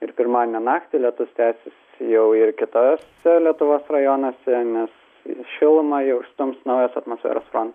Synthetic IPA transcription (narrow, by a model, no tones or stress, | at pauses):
ɪɾpʲɪɾmɑːd̪ʲɪnʲɛnɑːkt̪ʲɪlʲiɛt̪ʊʋst̪ʲæːsʲɪsʲ | jɛʊɪrkʲɪt̪osʲɛlʲiɛt̪ʊʋoːsrɐjoːnɐsʲɛnʲɛs | ʃʲɪlˠmɐjɛʊʃst̪ʊmsnɐʊjɛsɐt̪mosfʲæ̰ːɾoːsfɾoːnt̪ɐs